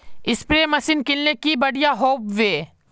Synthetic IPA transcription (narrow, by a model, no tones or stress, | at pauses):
ɪspɾeːmɐsinkɪlːekibɐɽijaɦoːbʋeː